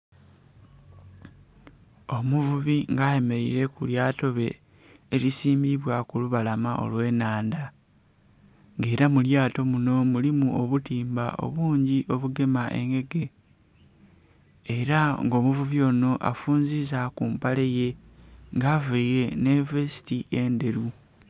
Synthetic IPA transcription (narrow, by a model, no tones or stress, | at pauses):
o̞muvuβiŋɡaje̞me̞ɾḭɾe̞kuljaːto̞βe̞ː | lisiːmbiβwakuluβalamaʔo̞̰lwe̞ːnaːnda | ŋɡe̞ːɾamuljaːto̞muno̞mulimuo̞βutiːmba̰ʔo̞̰βuːɲɟiʔo̞βuɡe̞maʔe̞̰ŋɡe̞ɡe̞ | ɾaŋɡo̞ːmuvuβio̞no̞ʔa̰fuːnzizakuːmpale̞je̞ŋɡaveiɾe̞ne̞vesi̥tiʔe̞nde̞ɾu